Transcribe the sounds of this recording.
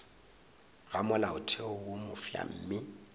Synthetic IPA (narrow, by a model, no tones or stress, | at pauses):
ɣamʊlaʊtʰeʊwomʊfja̰m̩ːmɪ